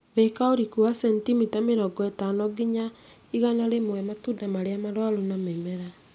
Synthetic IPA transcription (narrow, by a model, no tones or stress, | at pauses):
βɛkaoɾikuasɛntimitameɾɔɡɔɛtanɔɡiɲa | iɣanaɾemoɛmatudamaɾeamaɾwalonamɛmɛɾa